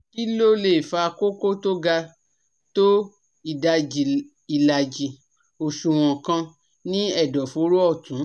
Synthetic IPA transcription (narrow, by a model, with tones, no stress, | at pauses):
i˦lo˦le˦˨fa˧ko˦ko˦to˦ɡa˧ | to˦ | i˨da˧d͡ʒi˧ | i˧la˧d͡ʒi˧ | o˨ʃũ˨w̃ɔ̃˨kã˧ | nĩ˦ɛ˦˨dɔ˨fo˧˦ɾo˦ɔ˦˨tũ˨˦